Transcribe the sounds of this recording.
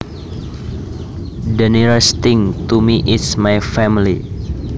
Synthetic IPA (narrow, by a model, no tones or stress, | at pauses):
dəniɹəst̪ɪŋt̪umiʔismajfɛmili